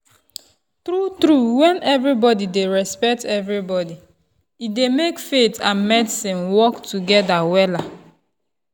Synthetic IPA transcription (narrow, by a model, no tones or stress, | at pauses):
tɾutɾuwɛ̃nɛvɹibɔdideɹɛspɛk̚tɛvɹibɔdi | idemekfetʰãnmɛdsĩnwɔktuɡɛdawɛla